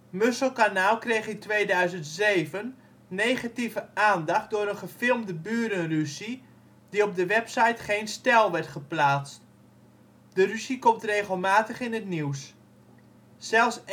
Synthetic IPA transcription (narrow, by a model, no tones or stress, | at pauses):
møsəlˠkanaːlˠkrejχitʋeːdœɥzəntseːvənː | eːχativəaːndaχt̚dʊːɾənχəfɪlˠmdəbyːɾənrysi | diɔb̚dəʋɛpsajtχeːnstɛlˠʋɛrtχəplaːt͡st | dərysikɔmtreːɣəlˠmaːtəχɪnətniws | sɛlˠs